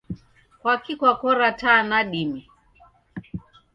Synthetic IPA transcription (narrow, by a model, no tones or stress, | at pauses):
kwakikwakɔɾatanaɗimi